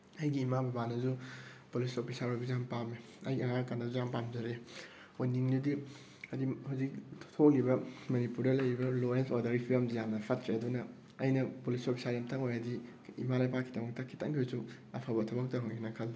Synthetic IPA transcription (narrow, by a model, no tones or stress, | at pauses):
ɐjɡiːmabɐbanɐzupulisopʰisaɾojbizampame | ɐ̰jɐŋakandɐzuzampamzɐɾe | ojniŋdudi | ɐdihawzik̚tʰtʰoklibɐmɐnipuɾdɐlɐjɾibɐlojensoɾdɐɾipʰilɐmdijamnɐpʰat̚kɾeɐdunɐ | ɐjnɐpulisopʰisaɾjamtʰɐŋojadi | ḭmalajpakʰidɐmɐk̚tɐkʰːi̥tʰɐŋɡisu | ɐ̰pʰabɐtʰɐbɐk̚tɐɾoɡnɐkʰɐldi